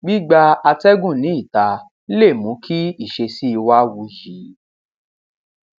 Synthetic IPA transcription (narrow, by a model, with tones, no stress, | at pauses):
ɡ͡bi˦ɡ͡ba˧a˧tɛ˦ɡũ˦˨nĩ˨˦i˦˨ta˧˦ | le˦˨mũ˨˦kʰi˦i˦˨ʃe˧si˦i˧wa˦wu˧ji˨˦